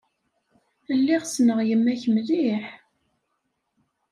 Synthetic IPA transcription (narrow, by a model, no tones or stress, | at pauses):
əlːiʁsnəʁjəmːæçəmðiħ